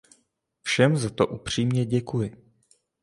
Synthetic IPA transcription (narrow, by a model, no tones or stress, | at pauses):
fʃɛmzat̪oʔupr̝̥iːmɲɛɟɛkujɪ